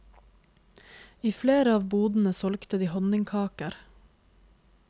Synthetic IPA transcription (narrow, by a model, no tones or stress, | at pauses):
iːfleːɾəɑːʋbuːd̪n̩əsɔlkt̪əd̪iːhɔnɪŋkʰɑːkəɾ